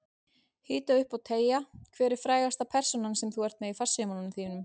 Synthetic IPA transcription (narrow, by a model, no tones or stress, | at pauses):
hiːt̪aʏhpawt̪ʰeːjakʰvɛːɾɪɾ̥fɾaːjɣast̪apʰɛr̥sɔnansɛmθuɛr̥t̪mɛðifar̥sʏmananmθiːnʏm